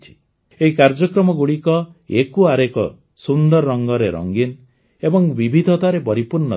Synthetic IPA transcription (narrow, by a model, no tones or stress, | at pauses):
t͡ʃʰi̥ | eɦikaɾd͡ʒɔkɾɔmɔɡuɽikɔekuaɾekɔ | sund̪ɔɾːɔŋɡɔɾeɾɔ̰ŋɡin | ebɔŋbibʱid̪ʱɔt̪aɾepɔɾipuɾnɔ